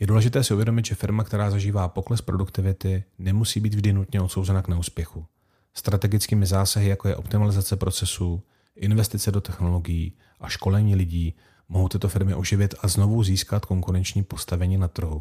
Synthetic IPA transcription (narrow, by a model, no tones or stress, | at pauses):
jɛduːlɛʒɪt̪ɛːsɪʔuvjɛdo̞mɪt̪ʒɛfɪɾmakt̪ɛɾaːzaʒiːvaːpo̞klɛspɾo̞dukt̪ɪvɪt̪ɪnɛmusiːbiːd̪vʒdɪnut̪ɲɛot̪so̞wzɛnaknɛuːspjɛxu | st̪ɾat̪ɛɡɪt͡skiːmɪzaːsaɦɪjako̞jɛʔo̞̰pt̪ɪmalɪzat͡sɛpɾo̞t͡sɛsu | ʔɪnvɛst̪ɪt͡sɛdo̞t̪ɛxno̞lo̞ɡɪjiː | ʔaʃko̞lɛɲiːlɪɟiː | moɦowt̪ɪt̪ofɪɾmɪʔo̞ʒɪvɪt̪azno̞vuziːskat̪ko̞ŋkuɾɛnt͡ʃɲiːpo̞st̪avɛɲiːnat̪r̩ɦu